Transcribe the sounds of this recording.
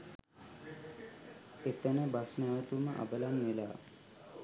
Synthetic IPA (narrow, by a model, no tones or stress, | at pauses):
et̪ənəbasnæʋət̪uməʔa̰bəlanʋelaː